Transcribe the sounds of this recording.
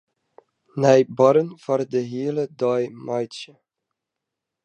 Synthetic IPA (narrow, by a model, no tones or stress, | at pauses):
nɛjbɑɾənv̥ɑrdəɦiələdɑjmɑjtt͡ʃə